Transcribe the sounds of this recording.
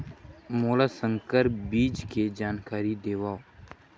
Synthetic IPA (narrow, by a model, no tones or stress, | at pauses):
moːlaːsə̃ŋkəɾpbiːd͡ʒked͡ʒaːnkaːɾid̪eːʋaːo